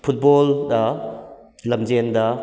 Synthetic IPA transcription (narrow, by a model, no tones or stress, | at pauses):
pʰut̚boldɐ | lɐmd͡ʒendɐ